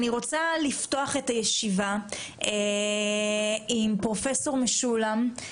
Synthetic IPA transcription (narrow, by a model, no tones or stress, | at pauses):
niʁo̞t͡salifto̞aχetajeʃivae | impʁo̞feso̞ʁmeʃulam